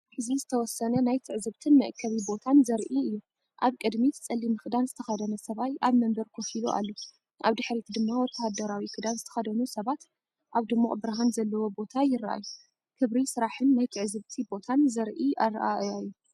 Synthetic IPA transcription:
ħɨzizɨt̪ʰɐwɔsɐnɐnajt̪ʰɨʕzɨβt̪ʰɨnmɐʔkʰːɐβibo̞t̪ʰanzɐɾʔiɨjːu | ʔaβkʼɨd̪mit͡sʼɐlːimɨkɨd̪anzɨt̪ʰɐxɐd̪ɐnɐsɐβajʔaβmɐmbɐɾkʰofiloʔa̰lːo | ʔaβd̪ɨħɾit̪d̪ɨmːawɔt̪ʰːɐhad̪ɐɾawikʰɨd̪anzɨt̪ʰɐ̥xɐd̪ɐnusɐβat̪ | ʔaβd̪ɨmːuʔʼbɾaɦanzɐlːɐwo̞bo̞t̪ʰajɪrːa̰ʔa̰ju | kʰɨβɾisɨɾaħɨnːajt̪ʰɨʕzɨβt̪ʰibo̞t̪ʰanzɐɾʔiʔaɾ̰ʔaʔajːu

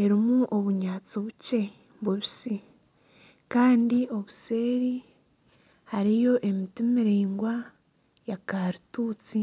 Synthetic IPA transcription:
e̞ɾimuʔoβuɲaːt͡siβuce̞ | buβisi | kaːndio̞βuse̞ːɾi | haɾijo̞ʔe̞mitumiɾiːŋɡwa | jakaɾutuːt͡si

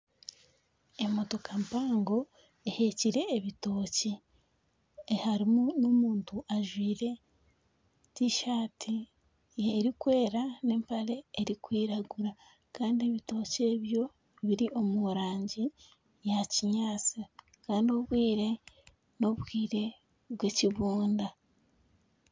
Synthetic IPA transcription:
e̞moto̞kampaːŋɡo̞ | ehe̞ciɾe̞ːβito̞ːci | haɾimunomuːntuʔaʒwiːɾe̞ | tiʃaːtʰi | eːɾikwe̞ːɾane̞ːmpaɾe̞ːɾikwiːɾaɡuɾa | kaːndie̞βito̞ːce̞βjo̞ | βiɾiʔo̞muɾaːɲɟi | jaciɲaːt͡si | kaːndio̞βwiːɾe̞ | no̞βwiːɾe̞ | βweciβuːnda

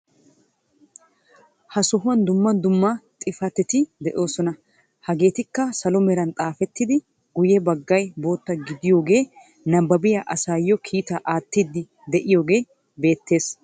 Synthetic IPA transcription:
hɐsɔɦʊɐnd̪ʊmːɐnd̪ʊmːɐt̪ʼɪfɐt̪ɛt̪ɪd̪ɛʔo̞ːsɔnɐ | hɐɡe̞ːt̪ɪkːɐsɐlɔmɛɾɐnt̪ʼaːfɛt̪ːɪd̪ɪ | ɡʊjɛbɐɡːɐjbo̞ːt̪ːɐɡɪd̪ɪjo̞ːɡe̞ː | nɐbːɐbɪjɐʔɐsaːjːɔkʰiːt̪ɐʔaːt̪ːid̪ːɪ | d̪ɛʔɪjo̞ːɡe̞ː | be̞ːt̪ːe̞ːs

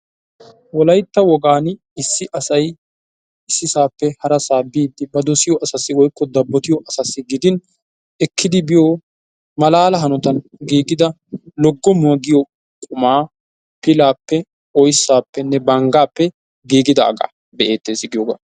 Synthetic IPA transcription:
wɔlɐjt̪ːɐwɔɡaːn | ɪsːɪʔɐsɐj | ɪsːɪsaːpːɛhɐɾɐsaːbiːd̪ːɪbɐd̪ɔsɪjɔʔɐsɐsːɪwɔjkːɔd̪ɐbːɔt̪ɪjɔʔɐsɐsːɪɡɪd̪ɪn | ɛkʰːɪd̪ɪbɪjoː | mɐlaːlɐɦɐnɔt̪ɐnɡiːɡɪd̪ɐ | lɔɡːɔmʊwɐɡɪjɔ | kʼʊmaː | pɪlaːpːɛ | ɔjsːaːpːɛnːɛbɐŋɡaːpːɛ | ɡiːɡɪd̪ɐ̰ːɡa̰ː | bɛʔe̞ːt̪ːeːsɪɡɪjoɡa̰ː

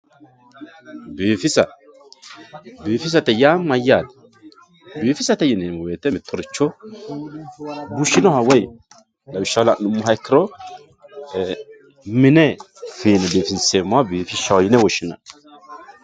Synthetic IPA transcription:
beːfɪsɐ | beːfɪs̬ɐt̪ɛjaːmːɐjːat̪ | biːfɪsɐt̪ɛjɪnɛmɔweːt̪ɛmɪt̪ʰːɔɾɪt͡ʃːɔ | buʃɪnɔhɐwɔj | lɐbɪʃːawlaʔnʊmːʊɦɐjkʰːɪɾɔ | mɪnɛ | fiːnɛbeːfɪnsemːɔabiːfɪʃːɐwjɪnɛwɔʃɪnɐ̰

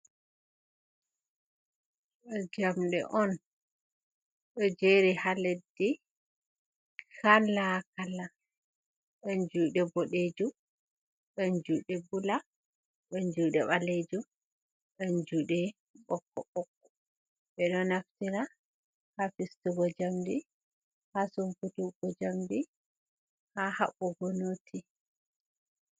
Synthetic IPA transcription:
ɛd͡ʒamɗɛ̰ʔɔn | ɗɔd͡ʒeɾihaledːi | kalakala | ɗɔnd͡ʒuːɗɛbɔɗed͡ʒu | ɓɛnd͡ʒuːɗɛbula | ɗɔnd͡ʒuːɗɛɓaled͡ʒu | ɗɔnd͡ʒuːɗɛ | ɓɔkːɔɓɔkːɔ | ɓɛɗɔnaftiɾa | hafistuɡɔd͡ʒamdi | hasumputuɡ̥ɔd͡ʒamdi | haha̰ɓːɔɡɔnoːtʰi

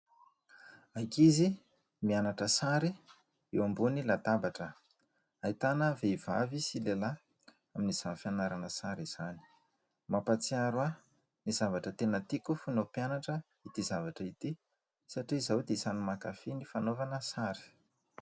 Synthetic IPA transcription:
ajkizi | mianaʈ͡ʂəsaɾi | ewambunilat̪abaʈ͡ʂə | ait̪anəveivavisilela | aminiz̥anfianaɾanəsaɾiz̥ani̥ | mapat͡siaɾwa | niz̥avaʈ͡ʂət̪enət̪ikufunopjanaʈ͡ʂə | it̪izavaʈ͡ʂəit̪i | saʈ͡ʂizawd̪esanumakafenifanovanəsaɾi̥

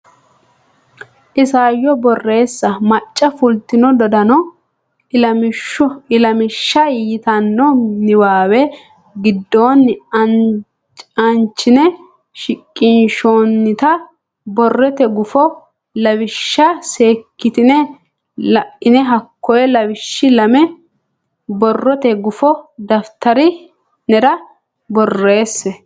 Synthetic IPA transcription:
ʔɪsaːjːɔbɔrːe̞ːsːɐmɐt͡ʃʼːɐfʊlt̪ɪnɔd̪ɔd̪ɐnɔ | ɪlɐmɪʃːɐjɪt̪ɐnːɔnɪwaːwɛ | ɡɪd̪ːoːnːɐn | t͡ʃʼɐnt͡ʃːɪnɛ | ʃɪkʼːɪnʃoːnːɪt̪ɐ | bɔrːɛt̪ɛɡʊfɔ | lɐwɪʃːɐseːkːɪt̪ɪnɛ | ɪnɛɦɐkːɔjɛlɐwɪʃːɪlɐmɛ | bɔrːɔt̪ɛɡʊfɔd̪ɐft̪ɐɾɪ | nɛɾɐ | bɔrːe̞ːsːɛ

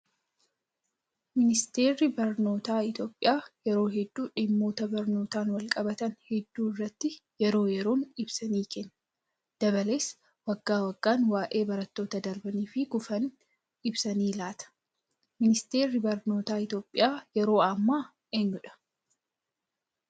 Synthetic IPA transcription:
mɪnɪst̪e̞ːɾːɪbɐɾno̞ːt̪aːɪt̪jo̞ːpʼːɪjaːjɛɾo̞ːɦɛd̪ːuːᶑɪmːo̞ːt̪ɐbɐɾno̞ːt̪aːnwɐlkʼɐbɐt̪ɐnhɛd̪ːuːɪrːɐt̪ːɪjɛɾo̞ːjɛɾo̞ːnɪbsɐniːkʰɛnːɐ | d̪̥ɐβɐle̞ːs | wɐɡːaːwɐɡːaːnwaːʔe̞ːbɐɾɐt̪ːo̞ːt̪ɐd̪ɐɾbɐniːfɪɡʊfɐn | ɪbsɐniːlaːt̪ɐ̥ | mɪnɪst̪e̞ːɾːɪbɐɾno̞ːt̪aːɪt̪jo̞ːpʼːɪ̰jaːjɛɾo̞ːɐmːaː | eːɲːʊᶑɐ̥

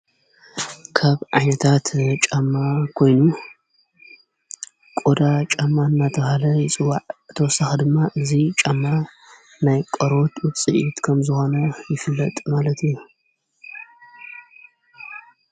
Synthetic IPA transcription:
kʰaβʕa̰jnɐt̪ʰat̪t͡ʃʼamːakʰo̞jnu | kʼod̪at͡ʃʼamːaɨnːat̪ʰɐβhalɐjɪt͡sʼɨwːaʕɨt̪ʰɐwɔsaxɨd̪ɨmːaʔɨzit͡ʃʼamːa | najkʼɐɾo̞t̪wɨt͡sʼɨʔit̪kʰɐmzɨxo̞nɐjɪfɨlːɐt̪ʼmalɐt̪ʰɨju

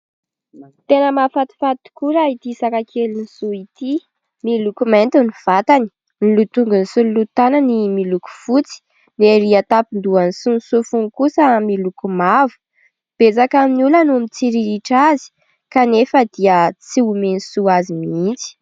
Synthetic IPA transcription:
t̪enəmafat̪i̥fat̪u̥kuɾait̪isakakʰeliniz̥uit̪i | milukument̪univ̥at̪ani̥ | nilut̪uŋɡunisululut̪ananimiluku̥fut͡si̥ | neɾiat̪apind̪uanisunsufuŋkusəmilukumavu̥ | b̥et͡sakaminulanumit͡siɾiɾiʈ͡ʂazi̥ | kanefəd̪̥iət͡siumensuazimiint͡si̥

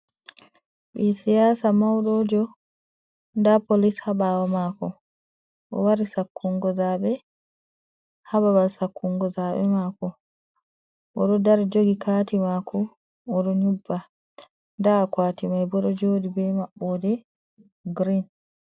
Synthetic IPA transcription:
ɓisijaːsamawɗɔːd͡ʒɔ | ndapolishaɓaːwɔmaːkɔ | ʔɔ̰waɾisakʰːuŋɡɔzaːɓɛ | hababalsakːuŋɡɔzaɓɛ̰maːkɔ | ʔɔɗɔdaɾd͡ʒoɡikaːtimaːkʰɔː | ɗɔɲubːa | ndakwaːtimajbɔɗɔd͡ʒoːdibɛmaɓːɔdɛ | ɡɾin

